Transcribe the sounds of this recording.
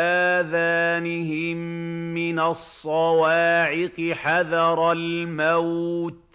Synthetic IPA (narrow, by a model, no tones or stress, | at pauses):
aːðaːnɪɦɪmːɪnasˤːɑwɑːʕɪqɨħaðɑɾˤɑlmawt̪̚